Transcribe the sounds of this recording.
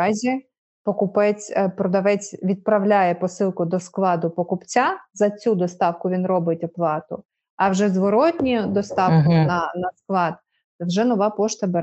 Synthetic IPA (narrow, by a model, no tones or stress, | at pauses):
ɑzʲi | pɔkʊpɛt͡sʲpɾɔd̪ɐʋɛt͡sʲʋʲid̪̚pɾɐwlʲajɛpɔsɪlˠkʊd̪ɔsklˠɑd̪ʊpɔkʊpt͡sʲazɐt͡sʲud̪ɔst̪ɑwkʊʋʲinɾɔbɪtʲɔplˠɑt̪ʊ | ɐwʒɛzʋɔɾɔtʲnʲid̪ɔst̪ɑwkʊnɐnɐsklˠɑd̪̚ | wʒɛnɔʋɑpɔʃt̪ɐbeɾ